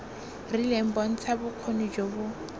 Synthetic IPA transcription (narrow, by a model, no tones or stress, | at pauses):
rilem̩bɔn̩t͡sʰabʊq͡χʰonud͡ʒobʊ